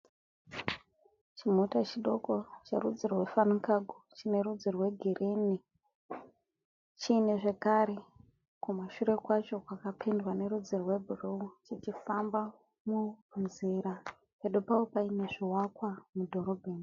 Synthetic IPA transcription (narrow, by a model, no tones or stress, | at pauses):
t͡ʃim̤otat͡ʃiɗo̞ko̞t͡ʃḛrṵd͡zirrwe̞fanukaɡʱut͡ʃine̞ɾud͡zirwe̞ɡʱirʔeni | t͡ʃiːne̞ʐe̞kaɾe̞ | kumaʃuɾe̞kwat͡ʃo̞kwakapʰendwane̞ɾud͡zirwe̞bʱuruut͡ʃit͡ʃifamba | munziɾa | peɗupaopaine̞ʐiwakwamudʱo̞ɾo̞bʱeːni